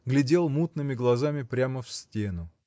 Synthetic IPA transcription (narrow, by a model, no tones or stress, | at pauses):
ɡlʲɪdʲe̞lˠmut̪nɨmʲɪɡlˠɐzamʲɪpɾʲaməfsʲtʲenʊ